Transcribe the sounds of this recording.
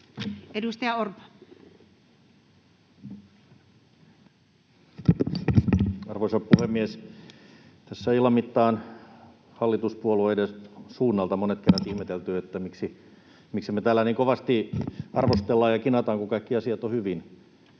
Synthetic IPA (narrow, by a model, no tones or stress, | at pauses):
edust̪ɑjɑort̪ɑ̥ | ɑrʋoisɑppuhemːies | t̪æsːæilɑmit̪ːɑːn | hɑlːit̪uspuoloidesuːnːɑlt̪ɑmonet̪keræt̪ihmet̪elt̪yːet̪ːæmiksi | miksimet̪æːlːæniːŋkoʋɑst̪iɑrʋost̪elːɑːjɑkinɑt̪ɑŋkukɑikːiɑsiɑt̪ohyʋin